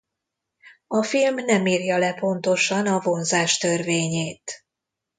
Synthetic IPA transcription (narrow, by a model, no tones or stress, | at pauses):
ɒfilmnɛmiːrjɒlɛpo̞n̪t̪o̞ʃɒnɒvo̞nzaːʃt̪ø̞rveːɲeːt̪